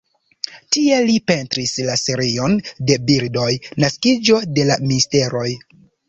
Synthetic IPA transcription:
tie̞lipe̞ntɾislase̞ɾio̞nde̞biɾdo̞jnaskid͡ʒo̞de̞laministe̞ɾo̞j

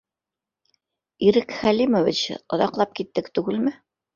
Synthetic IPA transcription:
iɾɘkχælimŏvit͡ɕŏðɑqlˠɑp̚kit̪ːɘkt̪ʉɡɘlmɘ

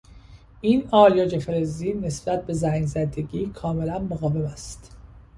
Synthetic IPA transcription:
ʔiːnɒːljɒːd͡ʒefeɾeziːne̞sb̥æt̪̚ʰbe̞zæŋɡzæd̪e̞ɡiːkʰɒːme̞lænmoɣɒːve̞mæst̪

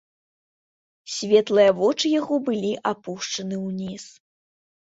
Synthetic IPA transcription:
sʲvʲɛt̪lˠɨjɐvɔt͡ʂɨjaɣɔbɨlʲiʔapuʂt͡ʂɐnɨwnʲis

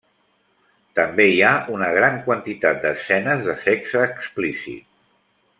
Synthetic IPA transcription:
t̪əmbeiaunəɣ̞ɾaŋkwənt̪it̪at̪̚d̪əsɛnəzðəsɛksəːksplisḭt̪̚

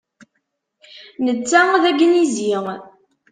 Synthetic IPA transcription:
nət͡sːæðæɡnizi

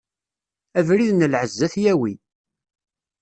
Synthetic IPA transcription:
ævɾiðnəlʕəzːæθjæwi

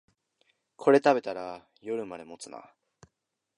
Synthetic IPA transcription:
kʰo̞ɾe̞t̪abe̞t̪aɾa | jo̞ɾɯ̟mad̪e̞mo̞t͡sɨna̰

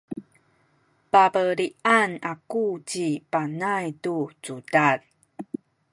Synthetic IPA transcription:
pabəɾiʔanakut͡ɕipanajtut͡sudal

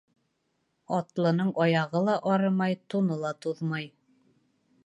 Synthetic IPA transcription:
ɑt̪lˠɤ̆nɤɴʔɑjɑʁɤlˠɑʔɑɾɤmɑjt̪unɤlˠɑt̪uðmɑj

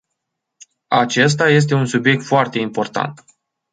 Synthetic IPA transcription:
at͡ʃe̞s̬t̪aje̞s̬t̪e̞unsubje̞k̚t̪foart̪e̞impo̞rt̪a̰nt̪

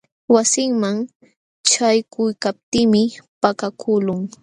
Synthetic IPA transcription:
wasɪŋmaŋ | t͡ʃajkʊjkap̚t̪ɪːmɪpakakʰʊlʊŋ

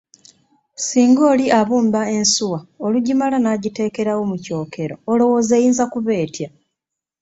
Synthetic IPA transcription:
siːŋɡo̞ːliʔaβuːmbae̞nsuwaoluɟimalanaːɟite̞ːke̞ɾawo̞muco̞ːkʰe̞ɾo̞ːlo̞wo̞ːzejiːnzakuβe̞ːtja

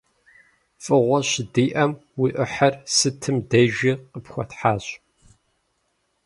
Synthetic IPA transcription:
fʼɨʁʷɔɕɪdiːʔɐmwiːʔɨħɐrsɨtʰɨmdɐʒiqəpxʷɔtħaːɕʼ

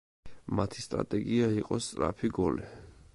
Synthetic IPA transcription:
mat̪ʰi̥st̪ʼɾa̰t̪ʼɛɡiaiqʼɔst̪sʼɾapʰiɡɔli

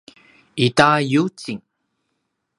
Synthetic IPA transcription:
itajut͡siŋ

